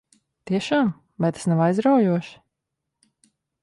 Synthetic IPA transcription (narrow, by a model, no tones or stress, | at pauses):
t̪iɛʃaːm | vajt̪ḁsnawajzɾawjuɔʃ